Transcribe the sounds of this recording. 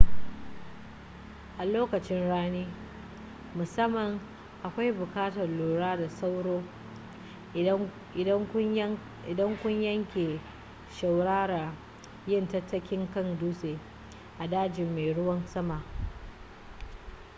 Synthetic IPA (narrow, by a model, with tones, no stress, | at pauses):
ʔa˨loː˦kɐ˨t͡ʃɪ˦nɽaː˦niː˦ | mʊ˨sɐ˦mːɐ˨ŋ | ʔa˨kʷa˦jbʊ˨kaː˦tɐ˨rloː˨ɽaː˦da˨sa˦wɽoː˦ | ɪ˨ɐ˦ŋ˦ | ɪ˨dɐ˦ŋkʷʊ˦ɲjɐ˦ŋkʲe˨ | ʃa˨wɽaː˦ɽa˨ | jɪ˦˨ntɐ˦tːɐ˦kʲɪ˦ŋkɐ˦˨nduː˦seː˨ | ʔa˨daː˦d͡ʒɪ˨mːe˨jɽʊ˦wɐ˦nsɐ˦ma˨